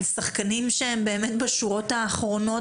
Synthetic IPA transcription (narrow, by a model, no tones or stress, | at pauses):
saχkanimʃeembe̞ːmet̪baʃuʁo̞t̪aːχʁo̞no̞